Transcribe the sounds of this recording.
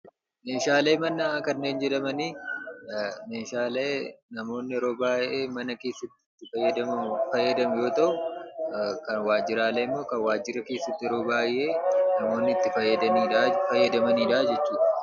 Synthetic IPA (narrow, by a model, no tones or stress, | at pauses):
me̞ːʃaːle̞ːmɐnːɐaːkɐnːe̞ːnd͡ʒɛᶑ̪ɐmɐniː | meːʃaːleːnɐmo̞ːnːɪɾo̞ːbaːjʔeːmɐnɐke̞ːsːɐt̪ːɪːɪfɐjːɐd̪ɐmfɐjːɐd̪ɐmʊjo̞ːt̪ɐʔʊ | kɐnwaːd͡ʒɪɾaːleːmːo̞ːkɐnwaːd͡ʒɪɾɐke̞ːsːɐt̪ːɪɾo̞ːbaːjʔeːnɐmo̞ːnːɪt̪ːɪfɐjːɐd̪ɐniːafɐjːɐd̪ɐmɐniːᶑaːd͡ʒɛt͡ʃːuːᶑɐ̥